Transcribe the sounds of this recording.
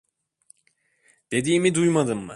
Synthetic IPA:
d̪̥e̞d̪iːmid̪ujmad̪ɯmːɯ̰

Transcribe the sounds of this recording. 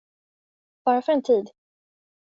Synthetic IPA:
b̥ɑːɾafœɾɛnt̪ʰiːd̪

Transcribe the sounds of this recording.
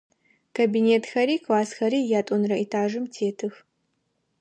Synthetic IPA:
kʰɐbineːtʰxɐɾiːkʰwaːsxɐɾiːjaːtʷʼɔnrɐitʰaːʒɨmtʰeːtʰɨx

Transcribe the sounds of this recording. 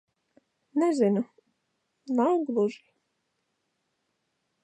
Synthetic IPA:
nɛzɪnu | nawɡlˠuʒi

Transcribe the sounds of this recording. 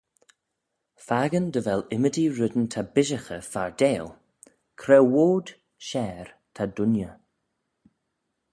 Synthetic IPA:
faɡənd̪əvɛlɪmədiɹʊd̪nt̪ʰabɪʒəxəfaɹd̪eːlˠ | kʰɾɛwoːd̥ | ʃɛːɹ | t̪ʰad̪ʊnjə

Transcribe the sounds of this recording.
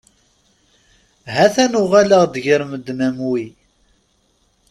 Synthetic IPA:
ɦæθænʊʁalaʁd̪ʝəɾməd̪mæmwi

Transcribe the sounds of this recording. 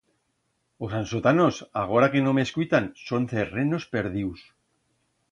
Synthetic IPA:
osansot̪ano̞saɣ̞o̞ɾake̞no̞meskujt̪anso̞nt̪ereno̞spe̞ɾð̞iws

